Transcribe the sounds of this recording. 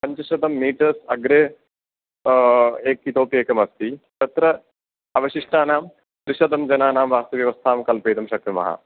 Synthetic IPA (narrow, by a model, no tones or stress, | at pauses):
pɐɲt͡ʃɐʃɐd̪ɐmːiːʈɐsɐɡɾeː | eːkit̪oːpijeːkɐmɐst̪it̪ɐt̪ɾɐ | ɐʋɐʃiʂʈaːnaːm | t̪ɾɪʃɐd̪ɐmd͡ʒɐnaːnaːmʋaːst̪ɐʋjɐʋɐst̪ʰaːmkɐlpeːt̪ɐmʃɐk̚ɾɐmɐ̰ɦɐ̰